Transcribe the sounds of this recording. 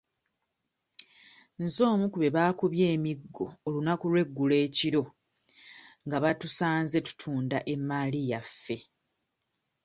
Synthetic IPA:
nzo̞ːmukuβe̞βaːkuβje̞ːmiɡːo̞ːlunakulwe̞ɡːule̞ːciɾo̞ | ŋɡaβatusaːnze̞tu̥tʰuːndaʔe̞mːaːlijafːe̞

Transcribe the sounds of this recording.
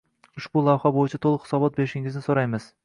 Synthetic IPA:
ʊʃbʊlˠawhabojɪt͡ʃʰat̪ʰolˠɨχhɪ̥sɒbɒt̪̚be̞ɾɪʃɪŋɪznɪsoɾajmɪz̥

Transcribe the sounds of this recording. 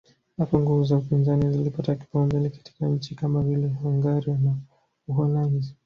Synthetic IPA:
hapɔŋɡuvuzaupinzanizilipataki̥paamzɛlɛkḁti̥kaɲ̩t͡ʃikamavilɛhuŋɡaɾiana | uɦɔlandi

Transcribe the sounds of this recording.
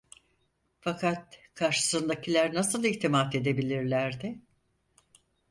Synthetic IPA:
fakʰat̪̚kʰaɾʃɯ̥sɯnd̪acʰilʲæɾnasɯlˠiçt̪ʰimat̪e̞d̪e̞bilʲiɾlʲæɾd̪ɪ

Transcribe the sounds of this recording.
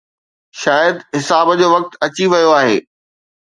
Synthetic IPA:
ʃaːjəd̪ɦɪsaːbəd͡ʑoːʋɐk̚t̪ɐt͡ɕiʋɐjoaːɦḛː

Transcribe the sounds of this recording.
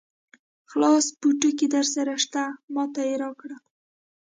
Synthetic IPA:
χlɑspuʈəked̪aɾsaɾaʃt̪amɑt̪ajɾɑkɽa

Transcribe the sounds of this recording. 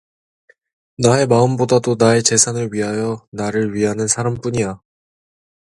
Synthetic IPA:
nae̞maɯmbodadonae̞t͡ɕe̞sʰanɯɭɥiɦajʌnaɾɯɭɥiɦanɯnsʰaɾamp͈uɲija

